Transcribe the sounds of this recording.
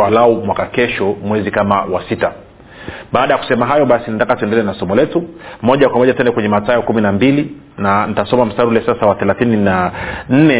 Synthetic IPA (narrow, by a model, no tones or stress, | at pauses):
walaumwakakɛʃɔmwɛzikamawasita | ɓaːɗajaku̥sɛmaɦajɔɓasinatakatuɛndɛlɛnasɔmɔlɛtumɔʄakwamɔʄatuwɛndɛkwɛɲɛmatajɔkuminambili | nanitasɔmam̩saɾulɛsasawaθɛlaθininan̩nɛ